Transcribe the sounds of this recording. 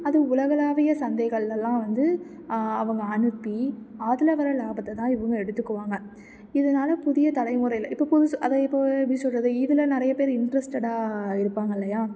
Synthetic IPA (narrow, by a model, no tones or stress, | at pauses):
ɐðɯʊlɐɣɐlaːʋɐjɐsɐnd̪eːɣɐɭlɛlːãːʋɐnd̪ɯ | ɐʋɐŋɡɐɐnɯpːiaːðɪlɐʋɐɾɐlaːbɐt̪ːɐt̪ːãːɪʋɐŋɡɐɛɽɯt̪ːɯkːɯʋaːŋɡɐ | ɪðɐnaːlɐpʊðɪjɐt̪ɐɽɐɪmʊɾɐɪɪlɐɪpːopɔðɯɐðɐɪpːopːɽisɔlɾɐðɯɪðɪlɐnɪɾɐjɐpeːɾɪɳɖɾɐsʈɛɽaːɪɾɯpːaːŋɡɐɪlːɐjaː